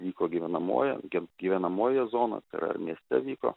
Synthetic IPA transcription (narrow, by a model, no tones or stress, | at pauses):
ʋʲiːkoːɡʲiʋʲɛnɐmo̰ːjɛ̰ɡʲɡʲiːʋʲɛnɐmoːjɛzoːnɐ̰t̪ɐɪɾɐ̰ɪ̰mʲiɛsʲt̪ʲɛʋʲiːko̰ː